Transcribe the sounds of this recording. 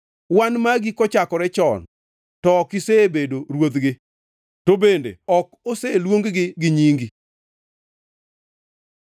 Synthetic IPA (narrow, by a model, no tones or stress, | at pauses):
wanmaɡikɔt͡ʃakɔɾɛt͡ʃɔ̰n | tɔkɪsebedoɾwod̪ɡɪ | tobendḛɔkoselwoŋɡɡɪɡɪɲiŋɡi